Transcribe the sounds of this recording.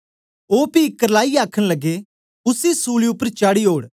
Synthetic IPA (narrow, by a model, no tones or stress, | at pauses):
oːpikɐɾlaːiaːkʰəɽ̃lɐɡe | ʊsisuːliʊpːəɾt͡ʃaːɽiɦoːɽ